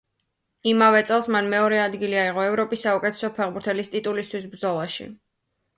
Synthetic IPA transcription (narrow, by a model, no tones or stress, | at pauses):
imavɛt̪sʼɛlˠsmanmɛɔɾɛad̪ɡiliaiʁɔɛvɾɔpʼisːaukʼɛt̪ʰɛ̥sɔpʰɛʁbuɾt̪ʰɛlist̪ʼit̪ʼulist̪ʰwisbɾd̪zɔlˠaʃḭ